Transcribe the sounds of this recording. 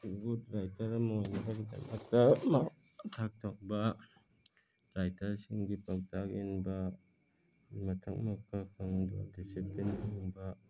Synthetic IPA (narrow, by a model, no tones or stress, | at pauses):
but̚ɾajtʰɐɾɐmɐojnakʰakida̰na̰k̚tɐmatʰak̚tʰok̚bɐ | ɾajtʰɐɾsiŋɡipɐk̚takinbɐ | mɐtʰɐk̚mɐkʰːakʰɯŋbɐ̰disiplentʰiŋbɐ